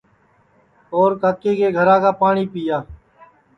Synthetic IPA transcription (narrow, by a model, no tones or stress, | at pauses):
oːɾkaːkːeːkeːɡʱəɾãːkaːpaːɳiːpijaː